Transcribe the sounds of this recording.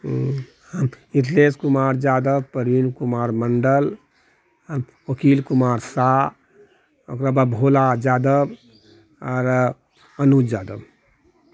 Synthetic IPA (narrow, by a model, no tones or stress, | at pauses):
həm | it̪leskumaɾd͡ʒad̪əb̚pəɾinkumaɾməɳɖəl | əm | okilkumaɾsa | okɾababʱolad͡ʒad̪əb | ɔɾ | ənud͡ʒaːd̪əb